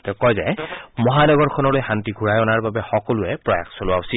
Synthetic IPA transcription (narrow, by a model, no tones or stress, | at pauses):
tɛʊkɔjzɛmɔɦalɔɡɔɹkʰɔnɔlojxantiɡʱuɹajɔnaɹbabɛxɔkɔlʊɛpɹɔja̰ksolʊwaʊsi